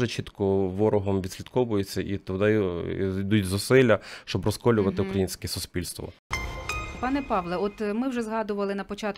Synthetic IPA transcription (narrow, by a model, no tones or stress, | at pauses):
ʒɛt͡ʃit̪kɔʋɔɾɔɦɔmʋʲid̪ʲsʲlʲid̪kɔʋʊjet͡sʲːɐʔit̪ɔd̪aj̰id̪utʲzʊsɪlʲːɐʃt͡ʃɔbrɔskɔlʲʊʋɐt̪ɪukɾɐjinʲsʲkɛsʊspʲilʲst̪ʋɔ̰ | pɑnɛpɑʋlˠɛɔt̪mɪwʒɛzɦɑd̪ʊʋɐlˠɪnɐpɔt͡ʃɑt̪